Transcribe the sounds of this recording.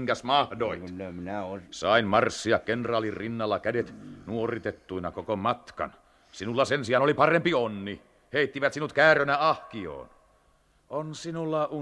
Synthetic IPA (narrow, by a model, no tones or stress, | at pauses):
ŋkæsmɑhdoit̪neminæosɑinmɑrsːiɑkkenrɑːlːirrinːɑlːɑkædet̪nuorit̪et̪ːuinɑkokomɑt̪kɑ̰n | sinulːɑsensiɑnolipɑrempionːi | heit̪ːiʋæt̪sinut̪kæːrønæɑhkio̰ːn | onsinulːɑʔu